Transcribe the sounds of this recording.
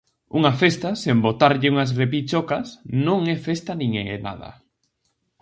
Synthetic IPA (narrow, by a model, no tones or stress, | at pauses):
uŋafest̪asembot̪aɾʎɪuŋas̬repit͡ʃokasnõŋɛfest̪anĩŋḛḛna̰ð̞ɐ̰